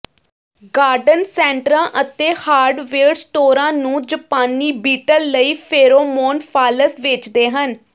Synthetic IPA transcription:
ɡaːɾɖənsɛ̃ːɳʈɾãːʔət̪eːhaːɾɖʋeːɽsʈoːɾãːnũːd͡ʒəpaːniːbiːʈəlːəiːpʰeːɾoːmoːnpʰaːləsʋɪt͡ʃd̪eːɦən

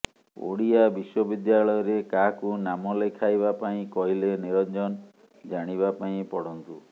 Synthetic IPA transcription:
o̰ɽiabiswɔbid̪jaɭɔjɔɾekaɦkunamɔlekʰajβapaĩkɔɦileniɾɔnd͡ʒɔn | d͡ʒaɽ̃iβapaĩpɔɽɔnt̪u

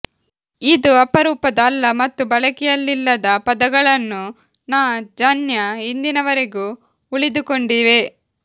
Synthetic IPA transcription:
id̪uɐpɐɾuːpɐd̪ɐːlːɐmɐt̪ːubɐɭɐkɛjɐlːilːɐd̪ɐpɐd̪ɐɡɐɭɐnːu | naːd͡ʒɐnjɐind̪inɐʋɐɾe̞ɡu | uɭid̪uko̞ɳɖiːʋe̞

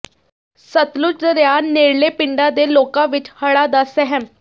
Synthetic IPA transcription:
sət̪lʊt͡ʃəɾjaːneːɽleːpɪɳɖãːd̪eːloːkãːʋɪt͡ʃhəɽaːd̪aːsɛɦəm

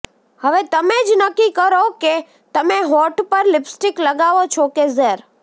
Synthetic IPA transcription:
həʋet̪əmed͡ʒnəkːikəɾoke | t̪əmeɦɔʈpəɾlɪpsʈɪkləɡaʋot͡ʃʰokezeɾ

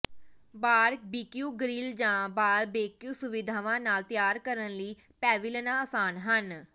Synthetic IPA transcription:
baːɾk̚biːkjũːɡɾiːld͡ʒãːbaːɾbeːkjuːsʊʋɪd̪ʱaːʋãːnaːlt̪ɪjaːɾkəɾənləiː | pɛːʋɪlənãːaːsaːnɦən

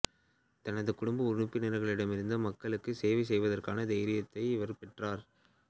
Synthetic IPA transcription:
t̪ɐnɐðɯkʊɽʊmbɐʊɾʊpːɪnɪɾɐɣɐɭɪɽɐmɪɾɯnd̪ɐmɐkːɐɭɯkːɯseːʋɐs̬ɛjʋɐðɐrkaːnɐd̪ɛɪɾɪjɐt̪ːɐɪɪʋɐɾpɛʈraːɾ

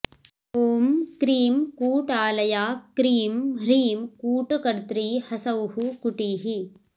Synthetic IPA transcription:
oːmkɾiːmkuːʈaːlɐjaːkɾiːmɾiːmkuːʈkɐɾt̪ɾiːhɐsɐwɦukuʈiːɦi

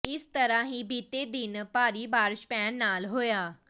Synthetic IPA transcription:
ɪst̪əɾãːɦĩːbiːt̪eːd̪ɪnpaːɾiːbaːɾʃpɛːnːaːlɦoːjaː

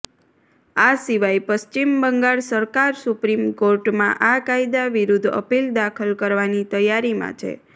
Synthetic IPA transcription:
asiʋajpəst͡ʃimbəŋɡaɭsəɾkaɾsupɾimkoɾʈmã̰ʔakajd̪aʋiɾud̪ʱə̰pild̪akʰəlkəɾʋanit̪əjaɾimã̰t͡ʃʰḛ

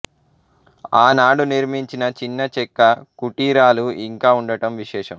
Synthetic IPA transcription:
aːnaːɽuniɾmiɲt͡ʃinɐt͡ʃinːɐt͡ʃɛkːɐkuʈiːɾaːluiŋkaːuɳɖɐʈɐmʋiʃɛːʂɐm

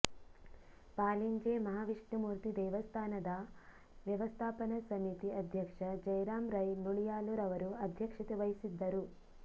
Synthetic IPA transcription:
paːliɲd͡ʒeːmɐɦaːʋiʂɳimuːɾt̪id̪ɛːʋɐst̪ʰaːnɐd̪ɐ | ʋjɐʋɐst̪ʰaːpɐnɐsɐmit̪iɐd̪ʱjɐkʂɐd͡ʒɐjɾaːmɾɐjnuɭijaːluɾɐʋɐɾuɐd̪ʱjɐkʂɐt̪ɐʋɐjisid̪ːɐɾu

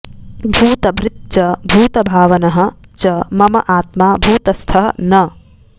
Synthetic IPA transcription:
bʱuːt̪ɐbɾɪt̪̚t͡ʃɐbʱuːt̪ɐbʱaːʋɐnɐɦɐ̆t͡ʃɐmɐmɐ̰ʔaːt̪maːbʱuːt̪ɐst̪ʰɐɦɐnɐ

